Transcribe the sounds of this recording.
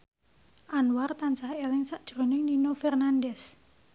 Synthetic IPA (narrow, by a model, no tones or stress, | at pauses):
ʔanwart̪ansahelɪŋsaʔd̥ʒ̥ɾo̤nɪŋninofɛrnandɛs